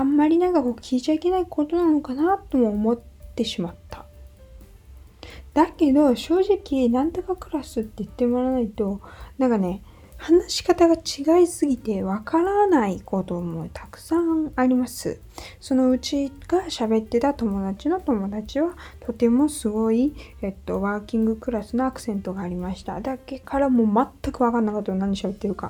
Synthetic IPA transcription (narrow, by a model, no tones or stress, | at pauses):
amːaɾʲinãŋkako̞ːkʲʰiːt͡ɕaike̞naiko̞t̪o̞nano̞kanat̪ːo̞moːmo̞t̪ːe̞ɕimat̪ːa | d̪̥ake̞d̪o̞ɕo̞ːʑikʲinãnt̪o̞kakɯ̟ɾasɨt̪ːe̞ɯt̪ːe̞mo̞ɾanait̪o̞nãŋkane̞ | hanaɕi̥kat̪aɡat͡ɕiɡaisɨɡʲit̪e̞βakaɾanaiko̞t̪o̞ːmo̞t̪ʰakɯ̟̥sãaɾʲimasɨ̰ | so̞no̞ɯ̟t͡ɕiɡ̥aɕabe̞t̪ːe̞t̪at̪o̞mo̞d̪at͡ɕino̞t̪o̞mo̞d̪at͡ɕiβat̪ʰo̞t̪e̞mo̞sɨɡo̞iet̪ːo̞βaːkʲĩŋɡɯ̟kɯ̟ɾasɨno̞akɯ̟̥sẽ̞nt̪o̞ɡaːɾʲimaɕi̥t̪a̰d̪ake̞kʰaɾamo̞ːmat̪ːakɯ̟βakãnːakat̪ːonãɲːɕabe̞t̪ːe̞ɾɯ̟ka̰